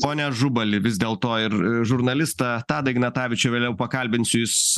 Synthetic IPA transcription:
poːnʲɛʒʊbɐlʲɪʋʲɪzʲd̪ʲeːlˠt̪oːɪɾʒʊɾnɐlʲɪst̪ɐt̪ɑːd̪ɐɪɡnɐt̪ɑːʋʲɪt͡ʃʲʊʋʲeːlʲɛʊpɐkɐlʲbʲɪnʲsʲʊjɪs

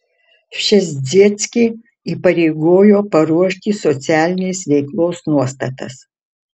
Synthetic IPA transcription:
ʃʲɛzʲzʲiɛt̪sʲkʲe | iːpɐɾʲɛɪɡoːjoːpɐɾuɔʃʲt̪ʲiːsɔt̪sʲæːlʲɪnʲeːsʋʲɛɪklˠoːsnuɔst̪ɐt̪ɐ̰s

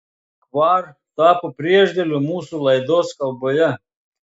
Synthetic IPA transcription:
kʋɑːɾ | t̪ɑːpopʲɾʲiɛʒʲd̪ʲelʲomuːsulˠɐɪd̪oːskɐlˠboːjɛ

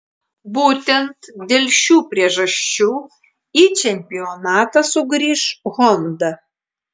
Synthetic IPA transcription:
buːt̪ʲɛnt̪d̪ʲelʲʃʲuːpʲɾʲiɛʒɐʃʲt͡ʃʲuː | iːt͡ʃʲɛmʲpʲɪɔnɑːt̪ɐsʊɡɾʲiːʃɣɔmd̪ɐ

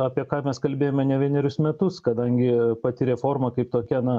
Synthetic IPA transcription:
ɑːpʲiɛkɑːmʲɛskɐlʲbʲeːjoːmʲɛnʲɛʋʲiɛnʲɛɾʲʊsmʲɛt̪ʊskɐd̪ɐŋʲɡʲɪpɑt̪ʲɪɾʲɛːfoːrmɐkɐɪp̚t̪oːkʲɛnɐ

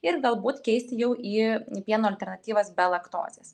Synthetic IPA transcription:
ɪɾɡɐlˠbuːt̪kʲɛɪsʲt̪ʲɪjɛʊʔiːpʲiɛnoːɐlʲt̪ʲɛɾnɐt̪ʲiːʋɐsbʲɛlˠɐkt̪o̰ːzʲeːs

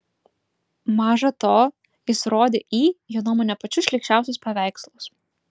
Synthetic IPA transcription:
mɑːʒɐt̪oː | jɪsɾoːd̪ʲeːʔiːjoːnoːmoːnʲɛpɐt͡ʃʲʊsʃʲlʲɛkʃt͡ʃʲæˑʊsʲʊspɐʋʲæˑɪkslˠʊs

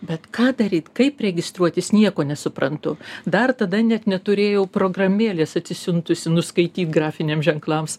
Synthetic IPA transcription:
bʲɛt̪kɑːd̪ɐɾʲiːt̪kɐɪprʲɛɡʲɪst̪ɾuɔt̪ʲɪsnʲiɛkoːnʲɛsʊpɾɐnt̪ʊd̪ɐrt̪ɐd̪ɐnʲɛt̪nʲɛt̪ʊɾʲeːjɛʊpɾoːɡrɐmʲeːlʲeːsɐt̪ʲsʲɪsʲʊnt̪ʊsʲɪnʊskɐɪt̪ʲiːt̪ɡrɑːfʲɪnʲeːmsʒʲɛŋklˠɐms

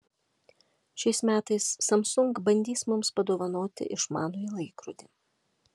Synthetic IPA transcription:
ʃʲɛɪsmʲæːt̪ɐɪsːɐmsʊŋkbɐnʲd̪ʲiːsmʊmspɐd̪oːʋɐnoːt̪ʲɪ̰ʔɪʃmɑ̰ːnoːilˠɐɪkɾʊd̪ʲi

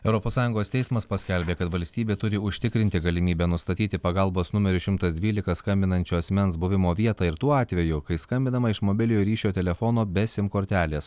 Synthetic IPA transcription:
ɛʊɾɔpoːsɑːjʊŋɡoːst̪ʲɛɪsmɐspɐsʲkʲɛlʲbʲeːkɐt̪ʋɐlʲsʲt̪ʲiːbʲeːt̪ʊɾʲɪʊʃʲt̪ʲɪkɾʲɪnʲt̪ʲɪɡɐlʲɪmʲiːbʲɛnʊst̪ɐt̪ʲiːt̪ʲɪpɐɡɐlˠboːsnʊmʲɛɾʲʊʃʲɪmt̪ɐsd̪ʲʋʲiːlʲɪkɐskɐmʲbʲɪnɐnʲt͡ʃʲʊɐsʲmʲɛnsbʊʋʲɪmoːʋʲiɛt̪ɑːɪɾt̪uːɑːt̪ʲʋʲɛjʊkɐɪskɐmʲbʲɪnɐmɐɪʃmoːbʲɪlʲɪjoːɾʲiːʃʲoːt̪ʲɛlʲɛfonoːbʲɛsʲɪmkoːɾʲt̪ʲæːlʲeːs

